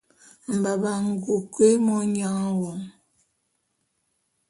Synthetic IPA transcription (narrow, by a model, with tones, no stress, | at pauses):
m̩˨ba˨ba˨ŋ̩˨ɡo˨ke˦mɔ˦ɲa˦ŋ˦wɔ˨ŋ